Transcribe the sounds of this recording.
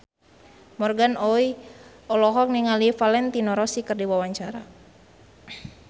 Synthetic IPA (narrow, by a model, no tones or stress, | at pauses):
mɔrɡanɔi | ɔlɔɦɔk̚niŋalifalɛnt̪inɔɾɔsikɨrdiwawaɲt͡ʃaɾa